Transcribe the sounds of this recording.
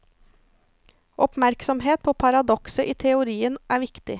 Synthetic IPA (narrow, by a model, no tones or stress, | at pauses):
ʔɔpmæɾksɔmɦeːt̪̚pʰoːpʰɑɾɑd̪ɔksəʔiːt̪ʰɛʊɾiːənʔæːɾʋɪkt̪ɪ